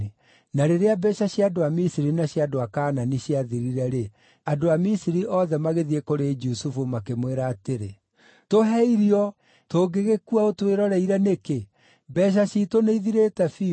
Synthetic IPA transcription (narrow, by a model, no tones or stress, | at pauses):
naɾeɾeabɛʃaɕjadoamisiɾinaɕjadoakaːnaniɕjaðiɾiɾɛɾe | adoamisiɾiʔɔðɛmaɣeðiekoɾed͡ʒusufumakemweɾaːteɾe | toɦɛiɾiɔ | toɡeɣekuaotweɾɔɾɛiɾɛneke | bɛʃ̬aʃitoneiðiɾetɛfi